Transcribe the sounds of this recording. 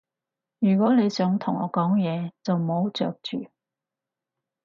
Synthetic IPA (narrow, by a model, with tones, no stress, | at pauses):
jyː˨˩kwɔː˨˥le˨˧jsœː˨˥ŋt̪ʰʊ˨˩ŋɔ̰ː˨˧kɔː˨˥ŋjɛː˨˧t͡sɐ˨wmo˨˧wt͡ʃœ̰ː˨k̚t͡ʃy̰ː˨